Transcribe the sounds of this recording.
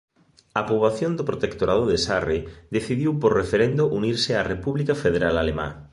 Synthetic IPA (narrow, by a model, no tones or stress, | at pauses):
apoβaθjond̪opɾot̪ekt̪oɾaðoðesareðeθiðiwpoɾrefeɾend̪oʔuniɾsɪarepuβlikafeð̞eɾalalema̰